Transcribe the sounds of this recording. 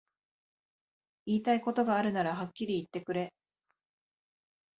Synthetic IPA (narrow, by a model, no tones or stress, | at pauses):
iːt̪aiko̞t̪o̞ɡaːɾɯ̟naɾaɦakʲːiɾʲiːt̪ːe̞kɯ̟ɾe̞